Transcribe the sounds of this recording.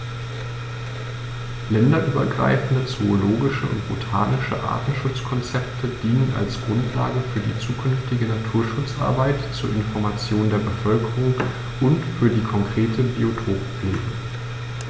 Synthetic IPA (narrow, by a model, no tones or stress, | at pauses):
lɛndɐʔyːbɐ̰ɡʁa̰ɪfn̩dət͡sooloːɡɪʃəʔʊ̰ntb̥otʰa̰ːnɪʃə̰ʔa̰ːɐtn̩ʃʊt͡skʰɔnt͡sɛp̚tʰəd̥iːnəna̰lsɡ̥ʁʊntʰla̰ːɡəfyːɐdḭːt͡suːkʰʏnftɪɡənatʰuːɐʃʊt͡sʔa̰ɐbaɪtt͡suːɐɪnfɔɐmat͡sjoːndeːɐbəfœlkəʁʊŋ | ʔʊntfyːɐdiːkʰɔŋkʁ̥eːtʰəbiotʰoːkpfleːɡə